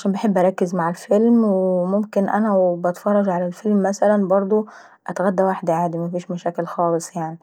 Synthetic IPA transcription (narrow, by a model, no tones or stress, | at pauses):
ʕaʃæːnmbeħebːʔæɾˤɑkːezmaʕelfelmwemomkenʔæ̰næwbɑt̪fɑrˤːɑʒʕalælfelmːæsælænbɑɾˤd̪ˤo | ʔæt̪ɣæd̪ːæwaħd̪ʕaːd̪imæfiːʃmæʃæːkelxɑːlesˤjaʕni